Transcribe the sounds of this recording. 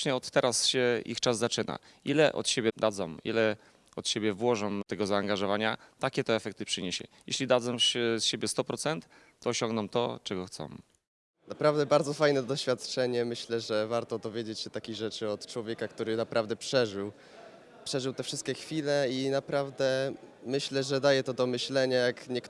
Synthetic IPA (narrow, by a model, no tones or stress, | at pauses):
ɲɛɔt̪ːɛɾʔasɕɛʔḭxt͡ʂazːat͡ʂɘna̰ | ilɛʔɔ̰t̪ɕebʲjɛd̪ad̪zɔ̰mḭlɛ | ɔt̪ɕebʲjɛvwɔʐɔmt̪ɛɡɔzaːŋɡaʐɔvaɲa̰t̪akʲɛt̪ɛːfɛk̚t̪ɘpʂɘɲeɕɛ̰jɛɕlʲid̪ad̪zɔmɛsɕebʲjɛst̪ɔpɾɔt̪sɛnt̪ː | ɔɔɕɔ̃ŋɡnɔmt̪ɔt͡ʂɛɡɔxt̪sɔ̰̃m | napɾavd̪ɛbaɾd̪zɔfajnɛd̪ɔɕfʲjat̪t͡ʂɛɲɛmɘɕlɛʐɛvaɾt̪ɔd̪ɔvʲjed͡ʑet͡ɕɕɛt̪akʲiɣʐɛt͡ʂɘɔt̪t͡ʂwɔvʲjekakt̪uɾɘnapɾʔavd̪ɛpʂɛʐɘw | pʂɛʐɘwt̪ɛfʂɘst̪̚kʲɛxfʲilɛinapɾavd̪ɛmɘɕlɛʐɛd̪ajɛt̪ɔd̪ɔmɘɕlɛɲajakɲɛk